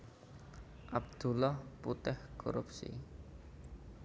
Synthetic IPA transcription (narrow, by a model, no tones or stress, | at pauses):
ʔab̚d̪̥ṳlɔhput̪ɛhkʰo̰ɾupsḭ